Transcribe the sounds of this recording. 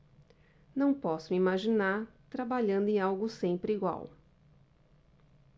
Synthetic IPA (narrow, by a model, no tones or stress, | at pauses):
nɐ̃w̃pɔsʊmimaʒinaɾt̪ɾabaʎɐ̃nd̪ʊẽawɡʊsẽmpɾɪiɡwa̰w